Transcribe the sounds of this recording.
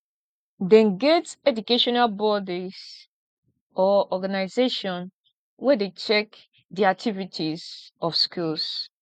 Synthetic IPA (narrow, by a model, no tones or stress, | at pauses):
dɛ̃nɡɛtɛdukeʃɔnalbɔdis | ɔɔɡanaɪzeʃɔ̃n | wɛdet͡ʃɛk | diak̚tʰivitʰizɔfskils